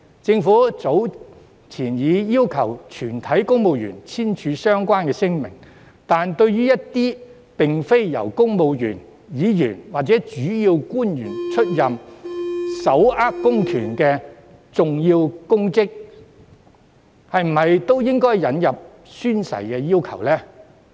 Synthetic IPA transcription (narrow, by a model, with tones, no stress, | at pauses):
t͡sɪ˧ŋfuː˨˥t͡so˨˥w | t͡sʰiː˨˩njiː˨˧jiː˥wkʰɐ˨˩wt͡ʃʰyː˨˩nt̪ʰɐ˨˥jkʊ˥ŋmo˨˧wɥy̰ː˨˩nt͡sʰiː˥nt͡ʃʰyː˨˧˥sœː˥ŋkʷaː˥nkɛː˧sɪ˥ŋmɪ̰˨˩ŋ | t̪aː˨nt̪ɵ˧ɥɥyː˥jɐ˥t̚t̪iː˥ | pɪ˨ŋfe˥jjɐ̰˨˩wkʊ˥ŋmo˨˧wjy̰ː˨˩n | jiː˨˧jyː˨˩nwaː˨˩k̚t͡sɛ˨˥t͡ʃyː˨˥jiː˧wkuː˥njyː˨˩nt͡ʃʰɵ˥t̚jɐ˨m | sɐ˨˥wʔaː˥p̚kʊ˥ŋk̪ʰyː˨˩nkɛː˧ | t͡sʊ˨ŋjiː˧wkʊ˥ŋkɪ˥k̚ | hɐ˨jm̩˨˩hɐ˨jt̪o˥wjɪ˥ŋkɔː˥jːɐ˨˥njɐ˨p̚ | syː˥nsɐ̰˨˩jkɛː˧jiː˥wkʰɐ̰˨˩wlɛː˥